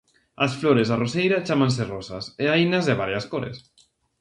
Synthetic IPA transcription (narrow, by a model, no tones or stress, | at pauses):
ɐsfloɾezarosejɾat͡ʃamãns̬erɔsa̰seajnɐzðeβ̞aɾjaskoɾḛs